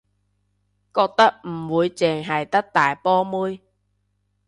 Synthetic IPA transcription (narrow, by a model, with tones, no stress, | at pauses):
kɔː˧k̚t̪ɐ˥k̚m̩˨˩wuː˨˧jt͡sɛː˨˩ŋɦɐ˨jt̪ɐ˥k̚t̪aː˨jpɔː˥muː˥j